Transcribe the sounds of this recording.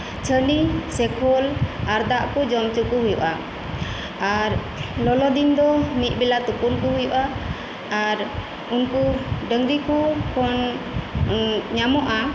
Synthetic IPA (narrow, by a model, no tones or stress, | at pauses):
t͡ʃʰənisɛkʰɔlaɾd̪aʔkɔd͡ʒɔmt͡ʃukuɦujṵʔa | aɾ | lɔlɔd̪ind̪ɔmit̪̚ˀbɛlat̪upunkuɦujuʔaː | ɾ | unkuɖəŋɾikukʰɔn | ɲamɔʔa